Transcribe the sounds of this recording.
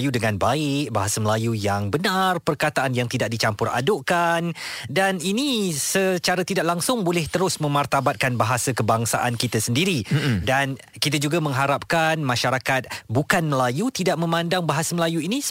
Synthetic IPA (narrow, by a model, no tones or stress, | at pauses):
judəŋãnbaɪk̚baɦasaməlajujaŋbənarpərkat̪aʔanjaŋt̪idaʔ̚dit͡ʃampʊra̰doʔkandaninisət͡ʃaɾat̪idaʔlaŋsʊŋbolɛht̪əɾʊsmə̃mart̪abat̪̚kanbaɦasakəbaŋsa̰ʔankit̪asəndiɾidan | kit̪ad͡ʒuɡamə̃ŋɦaɾap̚kanmãʃaɾakat̪̚bukanməlajut̪idaʔ̚mə̃mãndaŋbaɦasaməlajuinĩs